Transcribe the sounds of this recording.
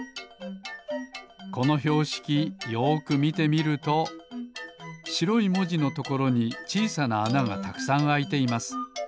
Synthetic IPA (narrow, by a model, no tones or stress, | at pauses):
ko̞no̞ço̞ːɕi̥kʲijo̞ːkɯ̟mʲit̪e̞mʲiɾɯ̟t̪o̞ | ɕiɾo̞imo̞ʑino̞t̪o̞ko̞ɾo̞ɲ̟it͡ɕiːsanaːnaɡa̰t̪akɯ̟̥sãɰ̃ait̪e̞imasɨ̥